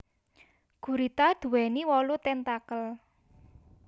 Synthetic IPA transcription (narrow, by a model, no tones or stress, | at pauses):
ɡ̥ṳɾit̪ad̪̥ṳwɛniwɔlut̪ɛnt̪akəl